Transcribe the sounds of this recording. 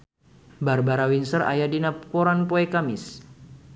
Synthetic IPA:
barbaɾawinsəra̰jadinapoɾanpoɛkamɪs

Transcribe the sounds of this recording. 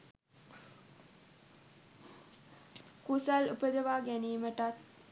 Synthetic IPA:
kusalupəd̪əʋaːɡæniːməʈat̪̚

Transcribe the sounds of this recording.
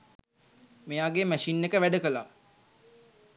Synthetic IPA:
mejaɡeːmæʃinːekəʋæɖəkəla

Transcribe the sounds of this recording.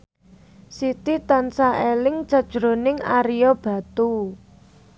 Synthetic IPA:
sit̪it̪ansaʔelɪŋt͡ʃad̥ʒ̥ɾonɪŋaɾijɔb̥ä̤t̪u

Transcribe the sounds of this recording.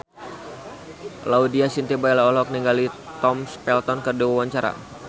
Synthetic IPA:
laudiasint̪ibajlaɔlɔk̚niŋɡalit̪ɔmspɛlt̪ɔnkərdiwawaɲt͡ʃaɾa̰

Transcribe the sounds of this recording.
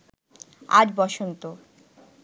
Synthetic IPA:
a̰d͡ʑbɔʃont̪o

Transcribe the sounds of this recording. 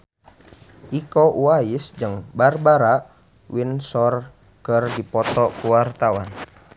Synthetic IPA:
ʔikɔʔuaisd͡ʒɨŋbarbaɾaʔ | winsɔr | kɨrdipɔt̪ɔkuwart̪awan

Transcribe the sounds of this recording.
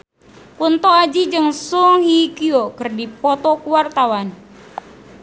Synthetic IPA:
kunt̪ɔad͡ʒid͡ʒɨŋsuŋhikiokərdipɔt̪ɔkuwart̪awan

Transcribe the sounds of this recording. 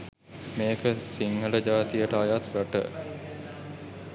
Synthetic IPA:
meːkəsiŋɦələd͡ʒaːt̪ijəʈəajat̪raʈə̰

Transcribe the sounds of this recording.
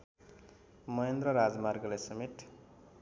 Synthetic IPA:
mʌjend̪rʌɾad͡zmarɡʌlajsʌmeʈ̪ʰ

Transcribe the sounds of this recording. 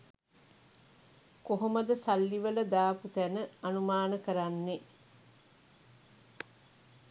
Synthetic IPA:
koɦoməd̪əsalːiʋələd̪aːput̪ænəanumaːnəkəɾanːe

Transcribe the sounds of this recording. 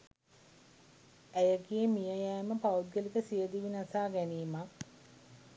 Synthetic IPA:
æjəɡijəmijəjæːməpaud̪ɡəlikəsijəd̪iʋinasaːɡæniːmak̚

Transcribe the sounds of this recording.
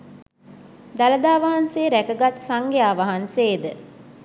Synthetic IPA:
d̪aləd̪aːʋaɦanseːɾækəɡat̪saŋɡejaːʋaɦanseːd̪ə

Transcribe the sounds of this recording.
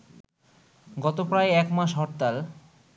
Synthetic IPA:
ɡɔt̪opɾaeɛkmaʃɦɔʈt̪al

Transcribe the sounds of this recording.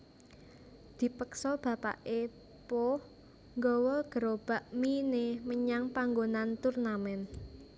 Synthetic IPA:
d̪̥i̤pəksɔb̥ä̤pa̰ʔe | po | ŋɡɔwɔɡ̥ə̤ɾob̥a̤ʔmineməɲaŋpaŋɡonant̪urnamɛn

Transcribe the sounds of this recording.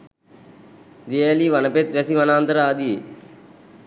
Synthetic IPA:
d̪eeliːʋɐnɐpet̪̚ɾɐt̪ʰiʋɐnaːnt̪ɾaːd̪ie

